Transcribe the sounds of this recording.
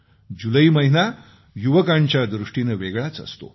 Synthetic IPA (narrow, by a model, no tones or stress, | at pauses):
d͡ʑuləiməɦina | juʋəkaɲt͡ɕjad̪ɾuʂʈinəʋeɡɭat͡sə̰st̪o̰